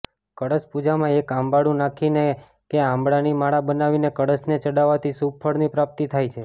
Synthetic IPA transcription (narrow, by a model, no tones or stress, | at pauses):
kəɽəspud͡ʒamãekãmbaɽũnakʰine | keãmbɽanimaɭabənaʋinekəɽəsnet͡ʃəɽaʋat̪ʰisubfʰəɽnipɾap̚t̪it̪ʰajt͡ʃʰe